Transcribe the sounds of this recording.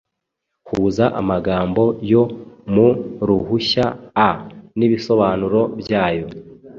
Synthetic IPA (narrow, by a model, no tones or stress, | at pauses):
huːzaʔa̰maɡaːmbo̞jo̞muɾuɦuçaː | niβiso̞βaːnuɾo̞bjaːjo̞